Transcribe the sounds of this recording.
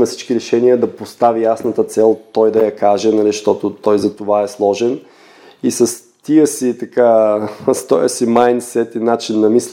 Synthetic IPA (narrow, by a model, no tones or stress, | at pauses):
mɛfsi̥t͡ʃkiɾɛʃɛniəd̪ɐpost̪avijasnɐt̪ət̪sɛlˠt̪ɔjd̪ɐjɐkaʒɛnɐliʃt̪ɔt̪ʊt̪ɔjzɐt̪ovaɛslˠɔʒɛn | isɐs | t̪iəsit̪ɐkast̪ɔjə̰simajnsɛt̪inat͡ʃinːɐmis